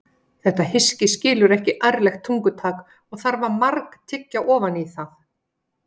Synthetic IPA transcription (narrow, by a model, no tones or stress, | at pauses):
θɛht̪ahɪscɪscɪːlʏɾɛhcɪʔajɾlɛxt̪ʰuŋkʏt̪ʰaːk | ɔɣθaɾvaɾmaɾkt̪ʰɪcːaʔɔːvaniθaθ